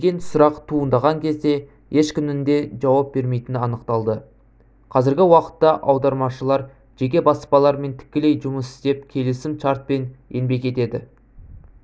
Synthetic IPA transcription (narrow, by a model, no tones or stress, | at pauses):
d̪eɡʲe̞nsʊɾɑqt̪ʰuənd̪ɑʁɑŋkʲʰe̞zd̪e̞ | je̞ʃkʲʏmɪnd̪e̞ʒɑwɑp̚be̞ɾme̞jt̪ɪnɪɑnəqt̪ɑlˠd̪ə | qʰɑzɪɾɡʲɪwɑqə̥t̪ːɑʔɑwd̪ɑɾmɑʃəlˠɑɾ | ʒ̥e̞kʲe̞bɑspɑlˠɑɾme̞nt̪ʰɪ̥kʲːɪle̞jʒʊməsɪ̥st̪e̞p̚kʲʰe̞lɪsɪmt͡ʃɑɾt̪̚pe̞nje̞nbe̞kʲe̞t̪e̞d̪ɪ